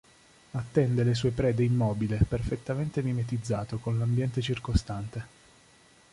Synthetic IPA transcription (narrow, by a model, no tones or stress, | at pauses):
at̪ːɛnd̪eles̬uːepɾɛːd̪eimːɔːbileperfet̪ːament̪emimet̪id̪zːaːt̪okonlambjɛnt̪et͡ʃirkost̪ant̪e